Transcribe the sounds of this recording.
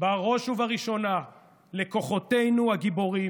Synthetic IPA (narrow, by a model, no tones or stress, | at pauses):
baʁo̞ʃhuvaʁiʃo̞na | le̞ko̞χo̞te̞jnuhaɡibo̞ʁi